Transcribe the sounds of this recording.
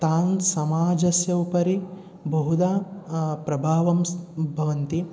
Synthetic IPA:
t̪aːnsɐmaːd͡ʒɐsjɐwupɐɾi | bʱɐɦud̪apɾɐbʱaːʋɐmsbʱɐʋɐnt̪i

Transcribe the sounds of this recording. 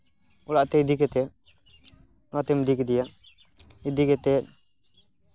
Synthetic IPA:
ulaʔt̪ɛid̪ikɛt̪ɛ | nat̪ɛmd̪ikɛd̪ijaʔ | id̪ikɛt̪ɛt̪̚

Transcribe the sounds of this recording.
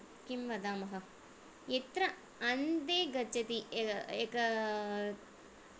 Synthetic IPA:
kimʋɐd̪aːmɐɦɐ | jet̪ɾɐ | ɐnd̪eːɡɐt͡ʃɐt̪iekɐ

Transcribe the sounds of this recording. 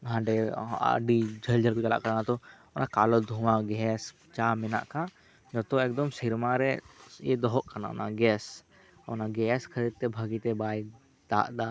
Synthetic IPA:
ɦãːɳɖea̰ɖid͡ʒʱəld͡ʒəlkot͡ʃəla̰ʔkəɾnat̪o | nʔakaːlod̪ʱũmãɡɛːs | t͡ʃaːmɪna̰ʔkã | d͡ʒɔt̪õeːk̚d̪əmsɪɾmãɾɛjḛd̪ɔɦoʔkɐna̰na̰ɡɛːs | ɔnaɡɛːskʰəɾid̪̚t̪ebʱəɡit̪ebaːi | d̪a̰ːʔd̪a

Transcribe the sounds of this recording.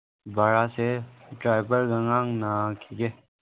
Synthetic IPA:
baːɾaseʈɾaːɪbəlɡəŋaŋnakʰiɡeː

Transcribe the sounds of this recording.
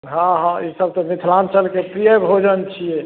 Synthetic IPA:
ɦãɦãisəb̚t̪ɔmit̪ʰlant͡ʃəlkepɾijəbʱod͡ʒənt͡ʃʰijɛe

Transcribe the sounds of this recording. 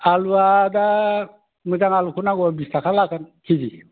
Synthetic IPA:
aluad̪a | mɯd͡ʒaŋalukʰunaɡɔabist̪akʰalakankʰid͡ʑi

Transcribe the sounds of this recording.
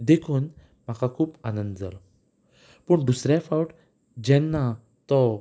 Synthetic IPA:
d̪ekʰuːn | m̤akakʰuːpanə̃nd̪d͡za̰lɔ | pəɳd̪usɾjafawʈ | d͡ʑɛnːa | t̪ɔ

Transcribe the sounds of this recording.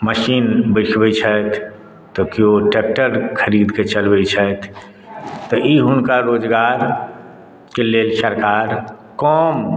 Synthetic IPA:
məʃiːnbəkʰbɛt͡ʃʰət̪ʰ | t̪ɔkioʈek̚ʈəɾkʰəɾiːd̪ket͡ʃəlbɛt͡ʃʰət̪ʰ | t̪ɔʔiɦʊnkaɾoːd͡ʒɡaːɾ | keleːlsəɾkaːɾ | kɔːm

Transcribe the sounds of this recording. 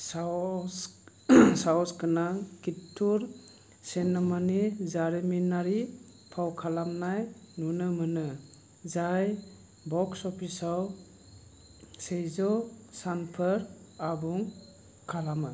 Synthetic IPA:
sa | sawskɯnaŋkitʰːuɾ | senamanizaɾiminːaɾi | pʰawkʰalamnajnunɯmɯnɯ | zaj | bɔksɔpʰisaw | sejzɔsanpʰəɾ | abuŋ | kʰalamɯ

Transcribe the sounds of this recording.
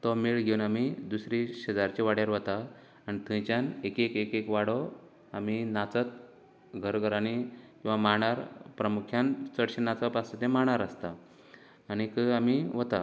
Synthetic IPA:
t̪ɔmiɭɡʱeunamid̪usɾiɕəd͡zaɾt͡ɕiʋaɽ̤jaɾʋət̪aː | nit̪ʰə̃t͡ɕjanekekekekʋaɽo | aminat͡sət̪̚ | ɡʱəɾɡʱəɾanikĩw̃ʋamaɳ̃aɾpɾəmukʰjant͡səɽɕenːat͡sapasət̪ẽmaɳ̃aɾəst̪aː | ñikəamiʋət̪a

